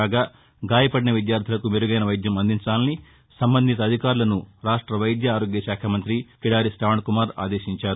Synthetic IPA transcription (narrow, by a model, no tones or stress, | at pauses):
aːɡaː | ɡaːjɐpɐɽinɐʋid̪jaːɾt̪ʰilɐkumeɾuɡɐjnɐʋɐjd̪jɐmɐnd̪ʱiɲt͡ʃaːlɐni | sɐmbɐnd̪ʱit̪ɐːd̪ʱikaːɾulɐnuɾaːʂʈɾɐʋɐjd̪jɐːɾo̞ːɡjɐʃaːkʰɐmɐnt̪ɾikiɽaːɾisʈaːʋɳkumaːɾa̰ːd̪e̞ːʃiɲt͡ʃaːɾu